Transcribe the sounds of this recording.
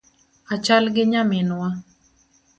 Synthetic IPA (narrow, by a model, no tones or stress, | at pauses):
at͡ʃalɡɪɲamɪnwa